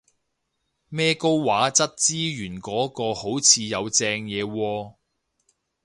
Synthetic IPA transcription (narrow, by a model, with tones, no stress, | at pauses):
mɛː˥ko˥wwaː˨˥t͡sɐ˥t̚t͡siː˥jyː˨˩nkɔː˨˥kɔː˧ho˨˥wt͡sʰiː˨˧jɐ˨˧wt͡sɛː˧ŋjɛː˨˧wɔː˧